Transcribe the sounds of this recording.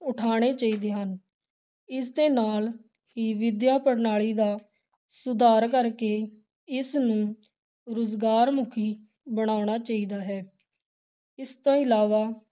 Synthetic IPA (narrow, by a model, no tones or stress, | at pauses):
ʊʈʰaːɽ̃eːt͡ʃaːiːd̪eːɦən | ɪsd̪eːnaːl | ɦiːʋɪd̪jaːpəɽnaːɭiːd̪aː | sʊd̪aːɾkəɾkeː | ɪsnũː | ɾʊzɡaːɾmʊkʰiː | bəɽ̃aːɽ̃aːt͡ʃaːiːd̪aːɦɛː | ɪst̪õːɪlaːʋaː